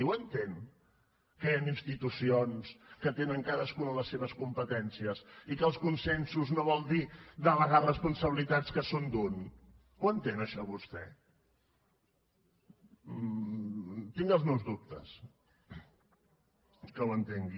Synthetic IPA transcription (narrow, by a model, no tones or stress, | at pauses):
wənt̪en | kəeaninst̪it̪usionskət̪enəŋkaðəskunələsːeβəskumpət̪ɛnsiəsikəlˠskunsɛnsuznoβɔlˠd̪id̪ələɣarəspunsəβilit̪at͡skəsond̪un | wənt̪enəʃɔβust̪ɛ̰ | t̪iŋɡəlˠzmɛwzðup̚t̪ə̰s | kəwənt̪eŋɡi